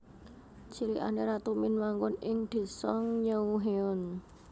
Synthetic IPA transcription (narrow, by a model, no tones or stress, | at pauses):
t͡ʃiɾiʔa̰neɾat̪umɪnmaŋkʊnɪŋd̪̥i̤sɔŋɲəuɦeɔn